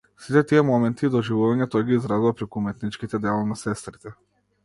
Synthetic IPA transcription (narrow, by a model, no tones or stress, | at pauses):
sit̪ɛt̪iɛmɔmɛnt̪iːd̪ɔʒivuvaɲɛt̪ɔjɡiːzɾazuvapɾɛkumɛt̪nit͡ʃkit̪ɛd̪ɛlˠɔnasɛst̪ɾit̪ɛ